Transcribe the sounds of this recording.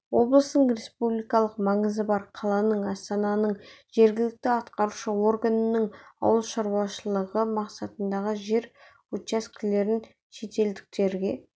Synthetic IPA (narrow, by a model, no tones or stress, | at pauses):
wo̞blˠəsənəɴɾe̞spublijkɑlˠəqmɑɴəzəbɑɾqʰɑlˠɑnəɴɑst̪ɑnɑnəɴʒ̥e̞ɾɡʲɪlɪk̚t̪ɪɑt̪qɑɾuʃəo̞rɡanənəɴɑ̰wəlˠʃɑɾwɑʃəlˠəʁəmɑqsɑt̪ənd̪ɑʁəʒe̞ɾ | ot̪askʲʰɪle̞ɾɪn | ʃe̞t̪e̞ld̪ɪk̚t̪e̞ɾɡʲe̞